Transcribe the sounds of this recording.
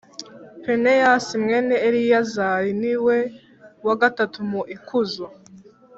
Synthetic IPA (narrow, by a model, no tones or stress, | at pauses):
penejasimŋe̞ːneːɾijazajiniwe̞ | waɡatatumuʔikʰuzo